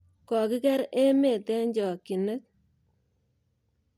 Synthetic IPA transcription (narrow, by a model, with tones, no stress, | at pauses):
kɔ˨ki˦kɛ˦ɾe˦me˨tɛ˦ɲd͡ʒɔ˨ki˨nə˦k̚